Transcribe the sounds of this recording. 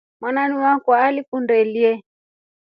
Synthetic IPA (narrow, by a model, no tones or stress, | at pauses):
mwananiwakɔalikundɛliɛ